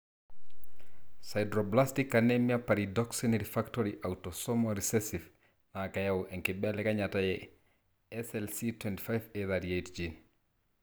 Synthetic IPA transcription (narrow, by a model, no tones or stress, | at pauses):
sajdɾoblastikːanemiapaɾidɔksiniɾifaktoɾiʔawtosɔmoɾisɛsif | nakajawʔɛŋkibɛlɛkaɲatajɛ | ɛsɛlsitwɛnti̥fajveðadiejtd͡ʒin